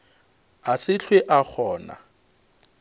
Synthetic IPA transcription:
asɪɬʰweʔak͡xʰɔːna̰

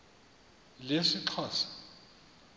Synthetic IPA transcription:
leʂiǁʰɔːsḁ

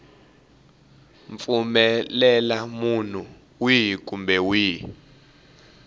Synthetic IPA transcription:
ɱfumɛlɛlamun̤u | wik̬ʼumbɛwiː

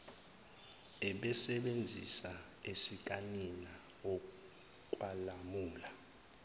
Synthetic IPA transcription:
ɛɓɛsɛɓend͡zʱḭsa | esik̬ʼanina | ɔ | kʼwalamuːla

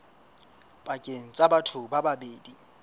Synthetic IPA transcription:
b̥akʼeŋ̩t͡sʼabatʰʊbababeːdi

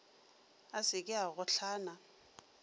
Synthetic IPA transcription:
asɪkʼɪaɣʊɬʰaːna

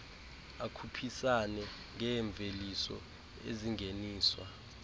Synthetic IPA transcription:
akʰupʰisanɛ | ŋʱɛːɱb̪vʱelisɔ̰ | ḛziŋɡʱeniːswa̰

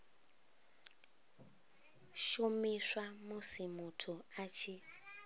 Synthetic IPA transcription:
ʃumiswamusimutʰuat͡ʃʰi

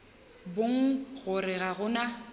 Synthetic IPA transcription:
boŋ̩ɣʊɾɪɣaɣʊna

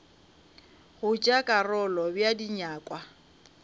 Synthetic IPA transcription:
ɣʊt͡ʃʼakʼarɔlɔbjadiɲaːkʼwa

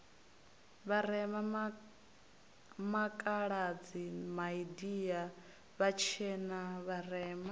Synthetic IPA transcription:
βaɾɛma | makʼaɺad͡zimaidija | βat͡ʃʰɛnaβarɛma

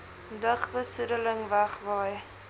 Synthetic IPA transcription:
dəχbəsudələŋvæχvɑj

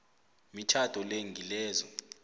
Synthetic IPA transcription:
mit͡ʃʰad̥ʱɔleŋɡilɛːzɔ

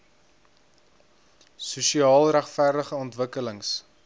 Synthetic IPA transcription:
susiɑːlˠɾæχfærdəχəɔntvəkələŋs

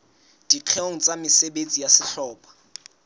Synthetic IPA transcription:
d̥iq͡χʰeoŋ̩t͡sʼamɪseɓet͡sʼijasɪɬɔːpḁ

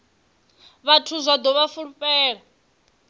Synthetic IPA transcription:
βatʰuzʷad̪ɔβafuɺupʼɛːɺa

